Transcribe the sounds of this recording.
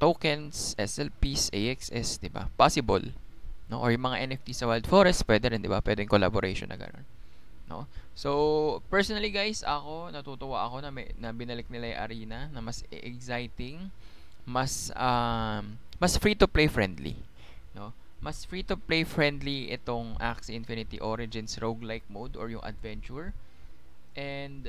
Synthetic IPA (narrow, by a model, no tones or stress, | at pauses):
t̪oːkɛnsʔɛsɛlpisʔejʔɛksʔɛsd̪ɪba̰pasɪbo̰lno̞̰ʔoɹjʊŋmɐŋaʔɛnɛft̪isɐwɛld̪foɾɛst̪̚pwɛːd̪ɛɾɛnd̪ɪba̰pwɛ̰d̪ɛŋkola̰boɾʔejʃonːʔɐ̰ɡɐ̰no̰nː | o̞̰sowpɛɹsonɐliɡajsɐko̞nɐt̪ut̪ʊwaʔɐko̞nɐmɛnɐbɪnɐlɪk̚nɪlaj̰ʔɐ̰ɾiːnɐnɐmɐsɛɡsajt̪ɪŋ | mɐsɐm | mɐsfɹit̪ʊplejfɹɛnd̪lḭ | no̞ | mɐsfɹit̪ʊplejfɹɛnd̪liʔɛt̪o̞ŋʔa̰ksɪnfinɪt̪ḭʔoɾɪd͡ʒɪnsɹowɡlajk̚mowd̪ɔɹjʊŋʔɐ̰d̪vɛnt͡ʃʊɹ | ʔɛnd̪